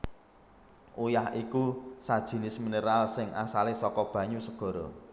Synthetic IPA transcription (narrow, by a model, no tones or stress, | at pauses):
ʔujahikusad̥ʒ̥i̤nɪsmineɾalsɪŋʔasalesɔkɔb̥ä̤ɲusəɡ̥ɔ̤ɾɔ